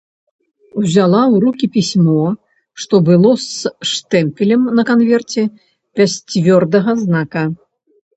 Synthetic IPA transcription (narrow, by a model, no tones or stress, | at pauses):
wzʲalˠawɾukʲipʲisʲmɔ | ʂt̪ɔbɨlˠɔsʂt̪ɛmpʲilʲɛmnɐkanvʲɛrt͡sʲɛ | pʲasʲt͡sʲvʲɔrd̪ɐɣɐznakɐ